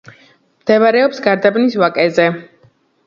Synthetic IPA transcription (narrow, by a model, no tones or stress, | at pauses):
md̪̥ɛvaɾɛɔpsɡaɾd̪abnisvakʼɛzɛ